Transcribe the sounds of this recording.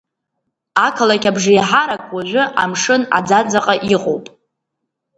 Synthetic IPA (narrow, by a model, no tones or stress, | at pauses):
akʰalakʲabʐɪjħaɾakʼwaʒʲᶣʷʊʔa̰mʂɨna̰d͡zad͡zaqʼaʔiqʼo̰wpʼ